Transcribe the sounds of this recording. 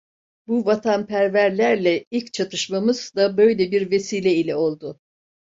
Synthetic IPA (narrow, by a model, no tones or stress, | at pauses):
buvat̪ʰanpʰæɾvæɾlʲæɾlʲɛilʲct͡ʃʰat̪ʰɯʃmamɯz̥d̪abø̞jlʲɛbiɾve̞siːlʲɛilʲɛo̞lˠd̪ʊ